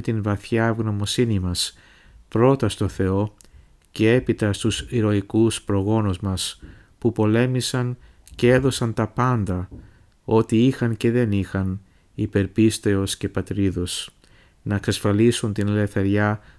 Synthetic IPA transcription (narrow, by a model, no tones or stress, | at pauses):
et̪invɐθçɐːvɣno̞mo̞sinimɐs | pɾo̞t̪ɐst̪o̞θe̞o̞ | ce̞e̞pit̪ɐst̪usiɾo̞ikuspɾo̞ɣo̞nuzmɐs | pupo̞le̞misɐn | cee̞ðo̞sɐnt̪ɐpɐnd̪ɐ | o̞t̪iixɐnce̞ðe̞nixɐn | ipe̞ɾpist̪e̞o̞sce̞pɐt̪ɾiðo̞s | nɐeksɐsfɐlisunt̪inle̞θe̞ɾʝɐ